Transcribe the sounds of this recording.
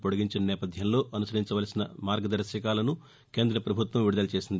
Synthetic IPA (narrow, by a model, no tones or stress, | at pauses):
poɽiɡiɲt͡ʃinɐnɛːpɐd̪ʱjɐmlo̞ːʔɐnusɐɾiɲt͡ʃɐʋaːlɐsinɐmaːɾɡɐd̪ɐɾɐʃɐkaːlɐnu | ke̞ːnd̪ɾɐpɾɐbʱut̪ʋɐmʋiɽud̪ɐlɐt͡ʃe̞ːsind̪i